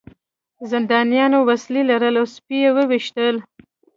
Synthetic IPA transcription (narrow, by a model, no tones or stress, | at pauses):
zɪnd̪ɑnijɑnowaslilaɾəlawspijewəwiʃt̪əl